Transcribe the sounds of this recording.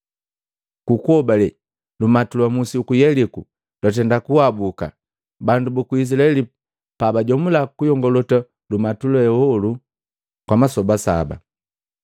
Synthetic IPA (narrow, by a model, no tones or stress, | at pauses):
kukuɔbalɛ | lumatulwamusiukujɛliku | lɔt̬ɛndakuwabuka̰ | bandubukuis̬ilaɛli | pabaɟɔmulakujɔŋɡɔlɔta | lumatulɔɛwɔlu | kwamasɔbasa̰ba̰